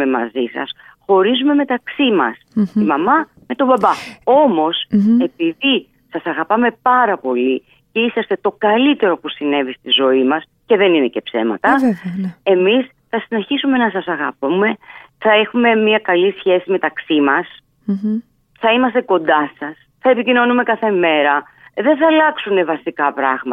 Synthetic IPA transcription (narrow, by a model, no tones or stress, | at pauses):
emɐ̰zisɐ̰s | xo̞ɾizume̞me̞t̪ɐksimɐ̰simɐmɐ | me̞t̪o̞bɐbɐo̞mo̞se̞piði | sɐsɐɣɐpɐme̞pɐɾɐpo̞li | ce̞isɐst̪e̞t̪o̞kɐlit̪e̞ɾo̞pusine̞vist̪izo̞imɐs | ce̞ðe̞nine̞ce̞pse̞̰mɐ̰t̪ɐ | emis | θɐsine̞çisume̞nɐsɐsɐɣɐpume̞θɐe̞xume̞miɐkɐlisçe̞sime̞t̪ɐksimɐs | θɐimɐst̪e̞ko̞nd̪ɐsɐs | θɐe̞picino̞nume̞kɐθe̞me̞ɾɐ | ðe̞nθɐlɐksune̞vɐsikɐpɾɐ̰ɣmɐ